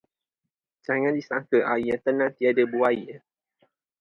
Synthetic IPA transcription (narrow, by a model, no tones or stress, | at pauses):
d͡ʒaŋãndisaŋkəʔajat̪ənãt̪iadəbuajə